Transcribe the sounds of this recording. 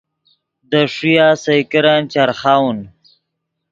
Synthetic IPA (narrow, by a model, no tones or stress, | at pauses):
d̪əʂijaːsajkɪɾant͡ʃaɾχawn